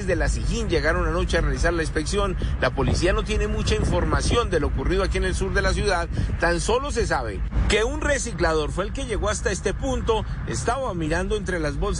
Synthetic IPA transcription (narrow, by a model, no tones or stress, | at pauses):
zd̪e̞lasixind͡ʒe̞ɣaɾo̞nano̞t͡ʃe̞arealisaɾlainspe̞ksjo̞nlapo̞lisiano̞t̪je̞ne̞mut͡ʃaiɱfo̞ɾmasjo̞nd̪e̞lookuriðoakiene̞lsuɾðe̞las̬juðaðt̪anso̞lo̞s̬e̞saβe̞̰ke̞unre̞siklaðo̞ɾfwe̞ːlke̞ʝe̞ɣo̞ast̪ae̞st̪e̞punt̪o̞ | ḛst̪aβamiɾand̪o̞e̞nt̪ɾe̞lazbols̬